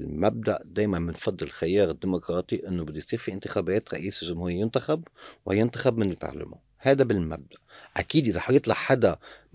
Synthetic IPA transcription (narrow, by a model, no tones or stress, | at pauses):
lmab̚d̪aʔd̪eːjmanmɪnfɑd̪ˤːɨlxajɑːɾɪd̪ːiːmʊkɾˤɑːt̪ˤiʔɪnːobɪd̪ːʊjsˤiːɾfiʔɪnt̪ɪxabeːt̪ɾˤɑ̰ʔiːslʒʊmhuːɾɪjjɪnt̪axabwjɪnt̪axabmɪnɪlbɑ̰ɾˤla̰ma̰ːnhaːd̪abɪlma̰b̚d̪aʔʔakiːd̪ʔɪzaħajɨt̪ˤlɑʕħad̪a